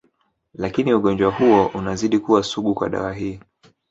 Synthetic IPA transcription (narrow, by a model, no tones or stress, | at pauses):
lakiniuɠɔnd͡ʒwahuɔʔunaziɗikuwasuɠukwa̰ɗa̰waɦiː